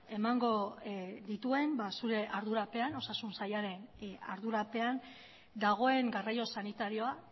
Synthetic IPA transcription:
e̞maŋɡo̞d̪it̪ue̞mbasuɾe̞ʔaɾðuɾape̞ano̞sasunsajaɾe̞na̰ɾðuɾape̞an | d̪aɣ̞o̞e̞ŋɡarajo̞sanit̪aɾio̞a

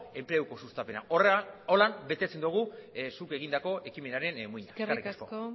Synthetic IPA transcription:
e̞mpɾe̞wko̞sust̪ape̞naʔorolambe̞t̪e̞t͡se̞nd̪uɣ̞usuke̞ɣ̞ind̪ako̞ʔe̞kime̞naɾe̞nmujɲa̰karrikasko̞̰k

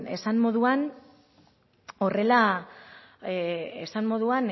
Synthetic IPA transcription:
e̞sammo̞ðuan | o̞re̞la | esammo̞ðuan

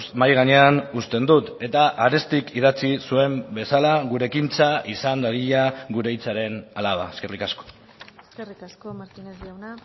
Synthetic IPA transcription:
smajɣ̞aɲe̞anust̪e̞nd̪ut̪e̞t̪aʔaɾest̪ikiðat͡sisue̞mbe̞salaɣuɾe̞kint͡saisand̪aɾiʎaɣuɾe̞jt͡saɾe̞nalaβa̰eske̞rikasko̥ | srisaɾt̪inezawna

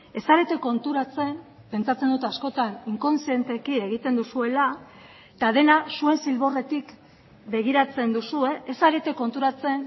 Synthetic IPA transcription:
e̞saɾe̞t̪e̞ko̞nt̪uɾat͡se̞m | pe̞nt͡sat͡se̞nd̪ut̪easko̞t̪aniŋko̞nsie̞nt̪e̞kie̞ɣ̞it̪e̞nd̪usue̞la | t̪aðe̞nasue̞nsilβo̞re̞t̪ik | be̞ɣ̞iɾat͡se̞nd̪usue̞ʔesaɾe̞t̪e̞ko̞nt̪uɾat͡se̞n

